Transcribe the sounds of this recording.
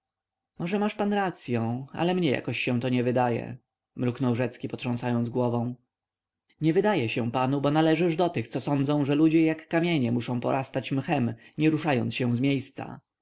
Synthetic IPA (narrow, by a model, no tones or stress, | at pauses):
mɔʐɛmaʂpanɾat̪sʲjɔ̃a̰lɛmɲɛja̰kɔɕɕɛ̃w̃t̪ɔɲɛvɘd̪ajɛ̰ | mɾuknɔwʐɛt̪skʲipɔtʂɔ̃ñsajɔnd̪ɡwɔvɔ̃w̃ | ɲɛvɘd̪ajɛɕɛw̃panubɔnalɛʐɘʐd̪ɔt̪ɘxt̪sɔsɔnd̪zɔ̃w̃ʐɛlud͡ʑɛjakːamʲjeɲɛmuʂɔ̃w̃pɔ̰ɾʔast̪at͡ɕmxɛmɲɛɾuʂajɔnsɕɛ̃w̃zmʲjejst̪sa̰